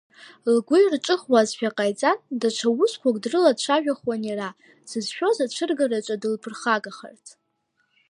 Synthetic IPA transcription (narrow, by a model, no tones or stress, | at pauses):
lɡʷʊjrʈ͡ʂʼɨχwazʃaqʼajt͡sʼandaʈ͡ʂʷʰawʊskʷʰakʼdrɨladʈ͡ʂʷʰaʒᶣaχwanira | sɨzʃᶣo̞zaʈ͡ʂʷʰɨrɡarat͡ʃʷʼadɨlpʰɨrχaɡaχa̰rtʰ